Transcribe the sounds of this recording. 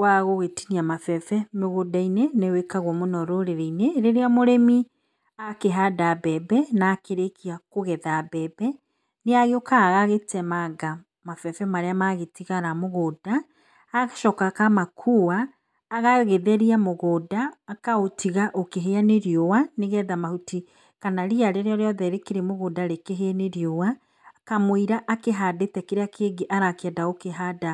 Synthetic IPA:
waɣoɣetiniamafɛfɛmeɣodainenewekaɣwɔmonɔɾoɾeɾɛineɾeɾeamoɾemi | akeɦadabɛbɛnaːkeɾekiakoɣɛðabɛbɛ | neaɣeokʰaːɣaɣetɛmaɡa | mafɛfɛmaɾeamaɣetiɣaɾamoɣoːdaː | ɣaʃɔkakamakʰuwaː | ɣaɣeðɛɾiamoɣoːdaːkaotiɣaʔokeɦeaneɾiowaneɣɛðamahuti | kanaɾiaɾeɾeɔɾeɔðɛɾekeɾemoɣoːdaɾekeɦeaneɾiowaː | kamwiɾaʔakeɦadetɛkeɾeakʰeːɡeʔaɾakeɛdaokeɦada

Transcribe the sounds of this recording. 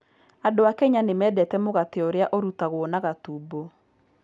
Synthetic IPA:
adoakɛɲanemɛːdɛtɛmoɣateoɾeaʔoɾutaɣwonaɣatuːbo

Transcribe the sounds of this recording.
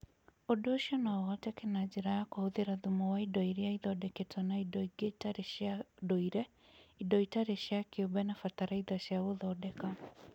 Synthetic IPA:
odoʃiɔnawɔtɛkenad͡ʒiɾajakohoðiɾaðumɔwaidɔiɾiaiðɔdɛketʰanaidɔiɡetaɾeʃadɔiɾɛ | idɔitaɾeʃjakiobɛnafataɾaiðaʃjawoðɔːdɛka

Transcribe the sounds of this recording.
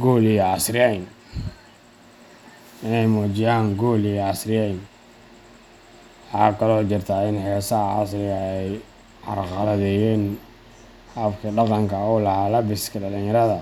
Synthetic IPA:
ɡɔːlijɑsɾɪjɛjn | ɪnɛjmɔːt͡ʃɪjaːŋɡɔːlijɛɑsrɪjɛjn | wħɑ̰ːkʰɐlɔːt͡ʃɪrt̪ʰaːɪnħɛːsɐhɑ̰srɪɣɐɛj | ʕɑ̰rqɑlɐðɛːjɛːn | hɐfkʰɐɖɑqɑŋkʰɐɔːlɐhaːlɐbɪskʰɐɖɐlɪnjɐɾɐðɐ

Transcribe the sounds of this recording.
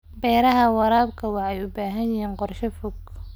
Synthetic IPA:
bɛːɾɐɦɐwɑɾaːbkʰɐwɑħɛjʊbaːɦɐnjɪɦiːnqɔrʃɐfʊɡ

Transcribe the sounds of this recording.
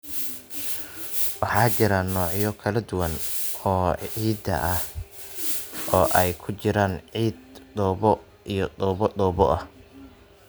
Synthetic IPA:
wɑħɑːt͡ʃɪɾɐnɔːʕjɔkʰɐlɐd̪ʊwɐnɔːiːd̪ɐ̰ʔɐh | ɔːʔɛjkʰʊt͡ʃɪɾaːnʕiːd̪d̪ɔːbɔ | ʔijɔd̪ɔːbɔd̪ɔːbɔʔɐh

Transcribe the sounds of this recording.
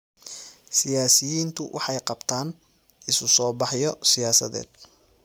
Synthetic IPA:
sɪjaːsɪjiːnt̪ʰʊwʔɑ̰ħɑjqɑbt̪ʰaːn | ɪsʊsɔːbɑħjɔsɪjaːsɐ̰ðɛ̰ːd̪̥̚

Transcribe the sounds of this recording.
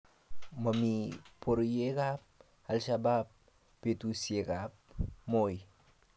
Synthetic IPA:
mɐmipʰoɾjekap̚ | alʃabap̚ː | etusiekap̚moj

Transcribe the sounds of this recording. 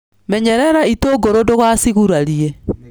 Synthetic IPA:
mɛɲɛɾɛɾaitoːɡoɾodoɣwasiɣuɾaɾie

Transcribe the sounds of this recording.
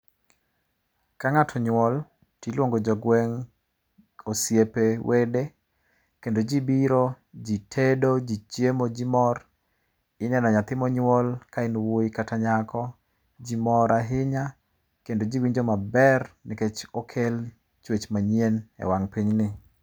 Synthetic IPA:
kaŋatʰɔɲwɔl | tilwoŋɡod͡ʒɔɡwɛŋ | osjepewʔede | kendod͡ʒibiɾo | d͡ʒitʰedod͡ʒit͡ʃjemod͡ʒimɔr | ɪnɛnɔɲat̪ɪmɔɲwɔlkaɪnwoikataɲakʰɔ | d͡ʒimɔɾaɦɪɲa | kendod͡ʒiwiɲd͡ʒɔmabɛrnɪket͡ʃɔkʰel | t͡ʃwet͡ʃmaɲjenɛ̰waŋpiɲnɪ

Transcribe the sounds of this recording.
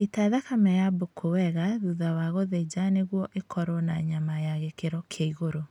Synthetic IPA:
etaðakamɛjabokʰowɛɣaðuðawaɣoðed͡ʒaneɣwɔʔekʰɔɾɔnaɲamajaɣekeɾɔkʰaiɣoɾo

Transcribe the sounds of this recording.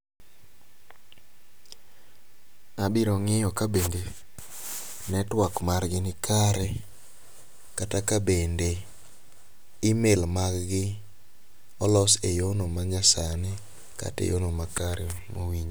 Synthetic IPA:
abɪɾɔŋɪjɔkabende | nɛtwakmarɡɪnɪkʰaɾɛ | katakabende | imelmaɡɡɪ | ɔlɔsejonomaɲasanɪ | ka̰tḛjonomakaɾɛmowiɲ

